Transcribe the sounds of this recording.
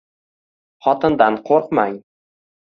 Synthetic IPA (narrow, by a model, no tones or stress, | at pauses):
χɒt̪ʰɪnd̪anqʰoɾqmaŋ